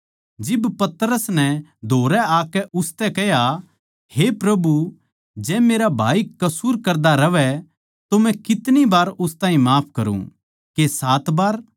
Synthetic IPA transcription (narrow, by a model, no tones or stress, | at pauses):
d͡ʒɪbpɐt̪ɾəsnɛd̪ʱoːɾɛaːkɛʊst̪ɛkɛja | hepɾɐbu | d͡ʒɛ̃ːmeːɾabʱaːikɐsuːɾkɐɾd̪aɾɐʋɛ | t̪omɛ̃kɪt̪nibaːɾʊst̪aːĩmaːpʰkɐɾṵ̃ | kesaːt̪baːɾ